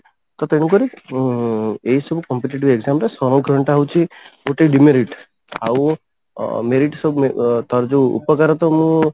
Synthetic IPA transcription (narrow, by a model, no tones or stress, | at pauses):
t̪ɔt̪eɽ̃ukɔɾi | eɦisɔbʱukɔmpeʈiʈ̬ibeɡzamɾesɔñɔ̃ɡʱɾɔɳʈaɦwt͡ʃʰioʈeiɖimeɾiʈ | a̰w | meɾiʈsɔbt̪ɔɾd͡ʒewṵpɔkaɾɔt̪ɔmũ